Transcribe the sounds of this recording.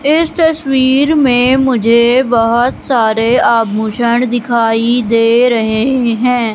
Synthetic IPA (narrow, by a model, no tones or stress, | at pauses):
ɪst̪əswiːɾmẽmʊd͡ʒʱebəɦʊt̪saːɾeaːb̚muːʃəɳd̪ɪkʰaːid̪eːɾɐɦeɦɛ̃ː